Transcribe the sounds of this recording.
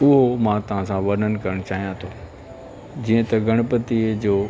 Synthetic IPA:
ʊɦomãt̪ɐʋ̤ãsãʋɐɾnənɪ̆kɐɾəɽ̃ʊt͡ɕaːɦijãt̪ʰoː | d͡ʑiːə̃t̪ɐɡʱɐɽ̃ʊpət̪id͡ʑoː

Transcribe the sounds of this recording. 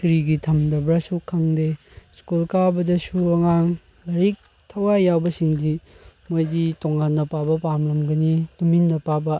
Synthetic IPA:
kɾiɡitʰɐmdɐbɾasukʰɐŋde | skulkabɐdɐsuɐŋaŋ | lɐɾik̚ | tʰɐwajawbɐsiŋdi | mojditoŋanːɐpabɐpamlɐmɡɐnituminːɐpabɐ

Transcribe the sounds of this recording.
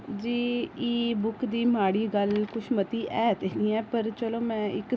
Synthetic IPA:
d͡ʒiːiːbʊkd̪iːmaːɽiːɡəlkʊʃʰmət̪iːʔɛːt̪eːnĩːɛːpəɾt͡ʃəlõːmɛ̃ːɪk

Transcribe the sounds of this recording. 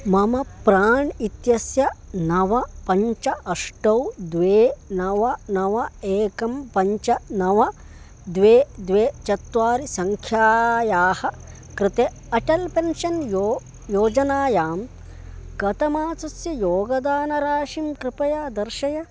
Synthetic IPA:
mɐmɐpɾaːɳit̪jɐsjɐnɐʋɐpɐɲt͡ʃɐʔɐʂʈɐwd̪ʋeːnɐʋɐnɐʋɐeːkɐmpɐɲt͡ʃɐnɐʋɐ | d̪ʋeːd̪ʋeːt͡ʃɐt̪ʋaːɾisɐŋkʰjaːjaːhɐ̆ | kɾɪt̪e | ɐʈɐlpenʃɐnjo | joːd͡ʒɐnaːjaːm | kɐt̪ɐmaːt͡sɐsjɐjoːɡɐd̪aːnɐɾaːʃimkɾɪpɐjaːd̪ɐɾʃɐjɐ

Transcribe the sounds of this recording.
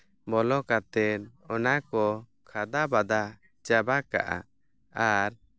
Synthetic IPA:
bɔlɔkat̪ɛnɔnakɔ | kʰad̪abad̪a | t͡ʃabaka̰ʔa̰ | aɾ

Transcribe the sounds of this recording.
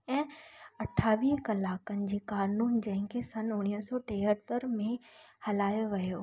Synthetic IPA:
ɛ̃ːɐʈʰːaːʋiːɦkɐlaːkənɪ̆d͡ʑeːkaːɾnuːnd͡ʑɐ̃ɦɪ̃kʰesɐnʊɽ̃iəsɔʈeːɦət̪əɾmẽhɐlaːjoʋɐjoː

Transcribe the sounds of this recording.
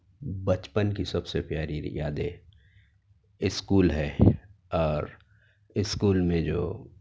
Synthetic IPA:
bət͡ʃpənkisɐbsepjaːɾijaːd̪e | ɪskuːlɦɛːɔːɾ | ɪskuːlmẽd͡ʒo̰ː

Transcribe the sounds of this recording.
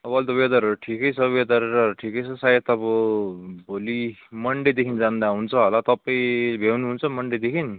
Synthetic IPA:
bʌlt̪ʌbed̪ʌɾʈʰikʌjt͡sʰʌbed̪ʌɾʌʈʰikʌjt͡sʰʌsajet̪ʌbʌbʱolimʌɳɖed̪ekʰind͡zand̪aɦunt͡sʰʌɦʌlat̪ʌpːaibʱewnuɦunt͡sʰʌmʌɳɖed̪ekʰin

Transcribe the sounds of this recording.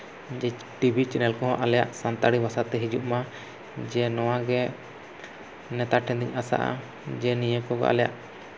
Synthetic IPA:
d͡ʒɛ | ʈibʱit͡ʃɛnɛlkɔɦɔ̃ʔalɛja̰ʔsant̪aɽibasat̪ɛɦid͡ʒṵʔma | d͡ʒɛnɔwaɡɛ | nɛt̪aʈʰɛ̃nd̪iɲasa̰ʔa̰ | d͡ʒɛnijəkɔɡɔ̰ʔa̰lɛja̰ʔ

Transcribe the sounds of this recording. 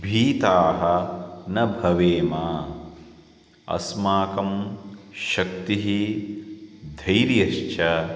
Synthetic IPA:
bʱiːt̪aːɦɐnɐbʱɐʋeːmaː | ɐ̰smaːkɐmʃɐk̚t̪iɦi | d̪ʱɐjɾjɐʃt͡ʃʰɐ

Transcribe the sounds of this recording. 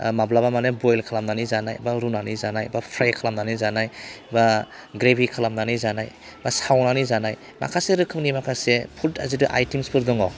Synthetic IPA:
mablabamanebojlkʰalamnanizanajbaɾunanizanajbapʰɾajkʰalamnanizanajba | ɡɾebʱikʰalamnanizanaj | basawnanizanaj | ma̰kʰaseɾɯkʰɯmnimakʰasepʰuta̰zidɯʔa̰jtimspʰɯɾdɔŋɔ

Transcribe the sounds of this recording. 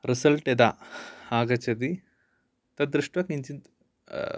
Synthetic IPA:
ɾisɐlʈed̪aaːɡɐt͡ʃɐd̪i | t̪ɐd̪ɾuʂʈʋɐkniɲt͡ʃint̪

